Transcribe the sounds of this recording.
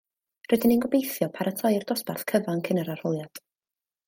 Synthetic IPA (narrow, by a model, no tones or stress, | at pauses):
rədɪnenɡɔbejθjɔpʰaɾatʰajrdɔspa̰rθkʰəvankʰɪnəɾar̥ɔlˠjad̥